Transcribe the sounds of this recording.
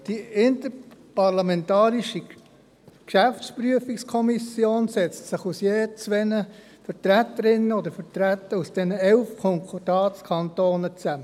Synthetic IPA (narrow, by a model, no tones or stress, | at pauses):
d̥iɪntəpɑʁlɑmɛntɑːɾiʃi | kʃæftt͡spryəfikskʰɔmisjoːnsɛt͡stsɪχusjeːt͡sʋɛnə | fəɾt̪ɾætəɾɪnːəod̪əɾfətɾæt̪ːəɾusd̥ɛnəɛlfkʰɔŋkʰod̥ɑːt͡skʰɑntoːnət͡sæmə